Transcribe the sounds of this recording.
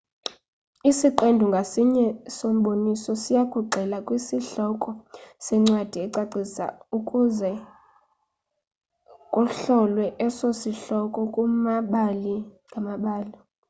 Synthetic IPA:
isiǃendʱuŋɡʱasiɲɛsom̩ɓonisɔsijakʰʼuɡ͡ǀʱɛlakʼwisiɬɔkʼɔsɛŋ͡ǀwad̥ʱiɛǀaǀisa̰ukʼuzɛ | kʼuɬɔlwɛʔɛsosiɬɔkʼɔkʼumaɓaliŋɡʱamaɓaːli

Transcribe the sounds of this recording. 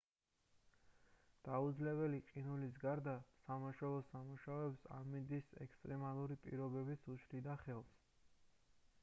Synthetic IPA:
d̪̥aud̪zlɛβɛliqʼinulis̬ɡaɾd̪asamaʃwɛɔsamuʃaɔɛpsa̰mind̪isɛ̰kst̪ʼɾɛmalˠuɾipʼḭɾɔbɛbisuʃʰlid̪aχɛlˠs

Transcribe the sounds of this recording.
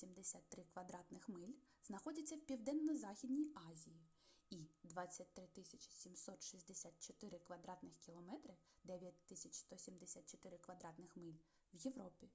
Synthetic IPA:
sʲimd̪esʲat̪ːɾɪkʋɐd̪ɾɑt̪nɪxmɪlʲ | znɐxɔdʲɐt͡sʲːɐwpʲiwd̪ɛnːɔzɑxʲid̪ʲnʲijɑzʲiji | id̪ʋɑt͡sʲːɐt̚ʲt̪ɾɪt̪ɪsʲɐt͡ʃɪ̥sʲimsɔt̪ʃizʲd̪esʲat̪̚t͡ʃɔt̪ɪɾɪkʋɐd̪ɾɑt̪nɪxkʲilˠɔmɛt̪ɾɪ | d̪ɛʋʲjɐtʲt̪ɪsʲɐt͡ʃst̪ɔsʲimd̪esʲat̪̚t͡ʃɔ̥t̪ɪɾɪkʋɐd̪ɾɑt̪nɪxmɪlʲ | wjeʋɾɔpʲi

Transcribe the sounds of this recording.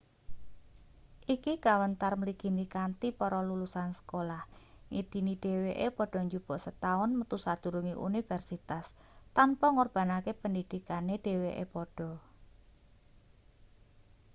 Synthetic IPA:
ʔikikawənt̪arməliɡ̥i̤nikant̪ipɔɾɔlulusansə̥kolah | ŋid̪̥iniɖ̥e̤weʔepɔɖ̥ɔ̤ɲd͡ʒub̥ɔ̤ʔsət̪aʊnmət̪usad̪̥ṳɾuŋiʔṵnifɛrsit̪as | t̪anpɔŋɔrb̥a̤nakepəndid̪̥i̤kaneɖ̥e̤weʔḛpɔɖ̥ɔ̤

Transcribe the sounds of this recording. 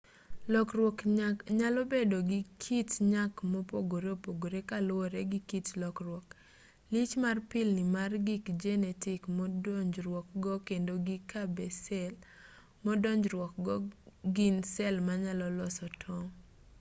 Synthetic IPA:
lɔkrwɔkɲalɔbedoɡɪkʰitɲakmɔpoɡoɾeopoɡoɾekalwoɾeɡikitlɔkrwɔk | lɪt͡ʃmarpɪlnɪmarɡikd͡ʒɛnɛtɪkmɔdɔɲd͡ʒɾwɔkɡɔkendoɡikʰabɛsɛl | mɔdɔɲd͡ʒɾwɔk̚ɡɔɡinsɛlmaɲalɔlɔsɔtʰɔŋ

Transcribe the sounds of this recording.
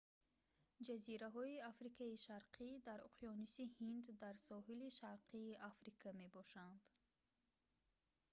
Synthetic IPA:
d͡ʒaziɾaɦɔiafɾikʰaiʃaɾqʰid̪aɾṵqʰijɔnusihind̪ːaɾsɔɦiliʃaɾqʰiːʔafɾikʰame̞bɔʃand̪̥

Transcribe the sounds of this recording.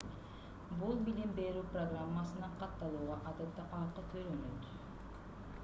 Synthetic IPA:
bulˠbilimbe̞ɾyːproɡramːasɯnɯɴqʰɑt̪ːɑlˠuːʁɑʔɑd̪et̪ːɑpɑːqət̪ʰøɾønøt̪

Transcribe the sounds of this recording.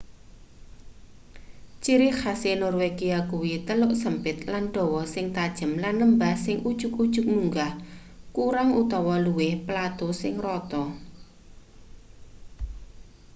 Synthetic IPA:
t͡ʃiɾɪhasenɔrweɡiakuwit̪əlʊʔsəmpɪt̪̚lanɖ̪̥ɔ̤wɔsɪŋt̪ad̥ʒ̥ə̤mlanləmbahsɪŋʔud̥ʒ̥ʊ̤k̚ud̥ʒ̥ʊ̤k̚muŋɡah | kuɾaŋut̪ɔwɔluwɪhpəlat̪osɪŋrɔt̪ɔ

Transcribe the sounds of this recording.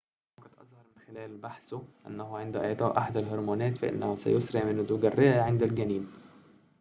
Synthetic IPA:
okæt̪ʔɑ̰zˤhɑɾˤmɪnxelæːlbaħsʊʔæ̰nːæhuʕend̪æʔæʕt̪ˤɑːʔaħad̪ælɦoɾˤmuːnæːt̪fæʔɪ̰nːæhusæ̰josɾeʕmɪnd̪ʊɡærːɪʔæʕend̪ælɡæniːn

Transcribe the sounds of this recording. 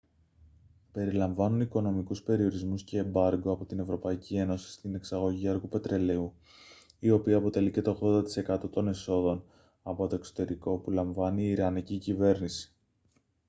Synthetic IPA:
pe̞ɾilɐɱvɐnuniko̞no̞mikuspe̞ɾio̞ɾizmusce̞ːmbɐɾɡo̞ɐpo̞t̪ine̞vɾo̞pɐicie̞no̞si̥st̪ine̞ksɐɣo̞ʝiɐɾɣupe̞t̪ɾe̞le̞u | io̞piɐːpo̞t̪e̞lice̞t̪o̞ɣðo̞nd̪ɐt̪i̥se̞kɐt̪o̞t̪o̞ne̞so̞ðo̞n | ɐpo̞t̪o̞ekso̥t̪e̞ɾiko̞pulɐɱvɐniːɾɐnicicive̞ɾnisi̥

